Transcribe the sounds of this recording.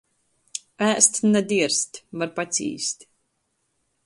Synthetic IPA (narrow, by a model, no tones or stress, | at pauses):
æːst̪nɛd̪iɛɾst̪ʲvaɾpat̪sʲḭːst̪